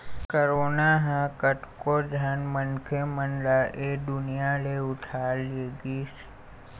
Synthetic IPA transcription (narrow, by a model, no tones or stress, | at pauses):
kəɾoːnaɦãkəʈkod͡ʒʱanmənkʰemənlaʔed̪ʊnijaleʊʈʰaleɡiːs